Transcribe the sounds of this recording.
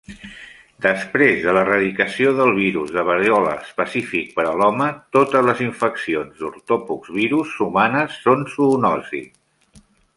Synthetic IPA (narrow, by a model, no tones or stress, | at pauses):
d̪əspɾezðələrəðikəsioðəlˠβ̞iɾuzðəβəɾjɔlə̰əspəsifik̚pəɾəlɔmət̪ot̪əzləziɱfəksionzðuɾt̪ɔpukzβiɾusːumanəsːonsunɔzḭ